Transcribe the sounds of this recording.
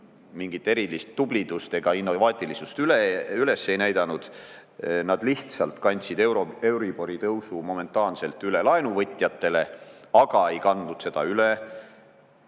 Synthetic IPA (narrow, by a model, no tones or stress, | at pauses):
miŋɡ̥it̪ːˑe̞ɾilist̪ːub̥lid̪̥ust̪e̞ɡ̥ɑinːovɑːt̪ʲˑilisust̪yleyle̞sːe̞jnæjd̪̥ɑnud̪̥ | nɑd̪̥liht̪sɑlt̪kɑnʲt̪sid̪ewɾoe̞wɾib̥o̞ɾit̪ɤwsumo̞me̞nt̪ːˑɑːnse̞lt̪ːˑyle̞lɑenuvɤt̪ʲːˑjɑt̪ːe̞le̞ɑɡ̥ɑe̞jkɑnd̪̥ud̪̥se̞d̪̥ɑyle